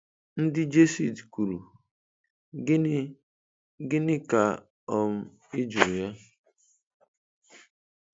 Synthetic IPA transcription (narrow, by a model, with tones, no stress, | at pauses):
n̩˦dɪ˦d͡ʒe˦si˨dkʷu˨ɾu˨˦ | ɡɪ˦nɪ˦ka˨ | ɔ˨m̩˦ | ɪ˦d͡ʒu˨ɾu˨ja˦